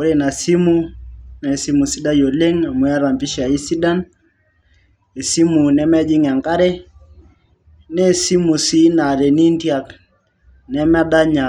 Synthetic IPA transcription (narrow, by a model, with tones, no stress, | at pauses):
ko˦ɾe˦na˨si˦mu˦na˨si˦mu˨si˦da˦jo˨le˦ŋa˨mwa˦ɾa˨mpi˦ʃa˨i˦si˦da˦n | e˨si˦mu˨nɛ˦ma˦d͡ʒi˦ŋa˨ŋka˦ɾɛ˦ | nɛ˦˨si˦mu˨si˦na˨ɾɛ˨ni˦ntja˨k | nɛ˦m˦a˦da˦ɲa˨